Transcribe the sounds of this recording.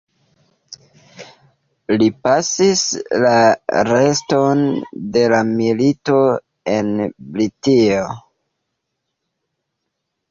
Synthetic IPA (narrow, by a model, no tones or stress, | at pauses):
lipasislaɾe̞sto̞nde̞lamilito̞ | enblitio